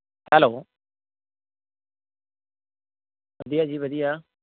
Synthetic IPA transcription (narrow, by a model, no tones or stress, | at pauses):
hɛloː | ʋəd̪ijaːd͡ʒiːʋəd̪ijaː